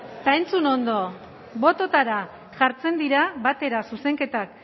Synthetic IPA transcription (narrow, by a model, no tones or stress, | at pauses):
t̪ae̞nt͡suno̞nd̪o̞ | βo̞t̪o̞t̪aɾa | ʝaɾt͡se̞nd̪iɾaβat̪e̞ɾasuse̞ŋke̞t̪ak